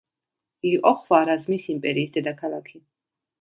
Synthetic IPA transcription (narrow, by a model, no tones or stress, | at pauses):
iqʼɔχwaɾazmisimpʼɛɾiːsd̪ɛd̪akʰalˠakʰi